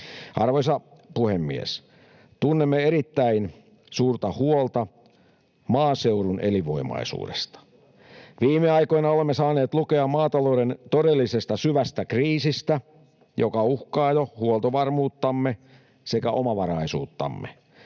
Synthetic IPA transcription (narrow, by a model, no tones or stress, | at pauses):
ɑrʋojsɑpuhemːiḛs | t̪unːemːeeɾit̪ːæin | suːrt̪ɑhuolt̪ɑ | mɑːseurunʔeliʋo̞̰imɑ̰isṵːdest̪ɑ̥ | ʋiːmeɑjko̞jnɑolemːesɑːneːt̪lukeɑmmɑːt̪ɑloudent̪odelːisest̪ɑsyʋæst̪ækriːsist̪æ | jokɑuhkɑːjohuolt̪oʋɑrmuːt̪ːɑmːe | se̞kæʔo̞mɑʋɑɾɑisuːt̪ːɑ̰mːḛ